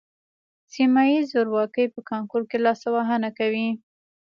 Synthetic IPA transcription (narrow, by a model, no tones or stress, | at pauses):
simajizoɾwɑkəjpəkɑŋkoɾkelɑsawaɦanakawi